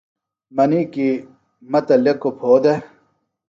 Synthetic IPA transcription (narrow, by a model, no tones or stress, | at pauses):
mɐniki | mɐt̪ɐlekːopʰoːd̪e